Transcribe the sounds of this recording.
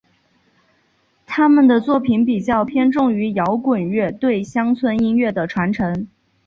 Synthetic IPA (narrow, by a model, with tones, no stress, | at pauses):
t̪ʰa˥mə˨nd̪ə˩t͡swɔ˥˩pʰi˧˥npi˨˩t͡ɕjɑ˥˩ʊpʰjɛ˥nʈ͡ʂʊ˥˩ŋy˧˥jɑ˧˥ʊkwə˨˩nɥɛ˥˩t̪we˥˩ɪɕjɑ˥ŋt͡sʰwə˧˥ni˥nɥɛ˥˩d̪ə˩ʈ͡ʂʰwa˧˥nʈ͡ʂʰɤ˧˥ŋ